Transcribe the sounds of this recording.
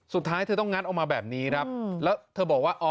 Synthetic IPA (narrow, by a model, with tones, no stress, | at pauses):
su˨˩t̪ʰːaː˦˥jt̪ʰɤː˧t̪ɔ˥˩ŋa˦˥t̪̚ʔa˨˧k̚maː˧bɛː˨˩p̚niː˦˥kʰɾa˦˥p̚lɛː˦˥wt̪ʰɤː˧bɔː˨˩k̚waː˥˩ʔɔː˧